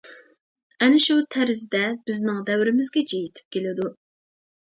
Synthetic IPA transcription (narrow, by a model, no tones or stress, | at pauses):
ɛnɪʃut̪ʰæɾɪzd̪ɛbɪznɪŋd̪ɛwɾɪmɪzɡʲɛd͡ʒejit̪ʰɪ̥p̚kʲʰelɪd̪u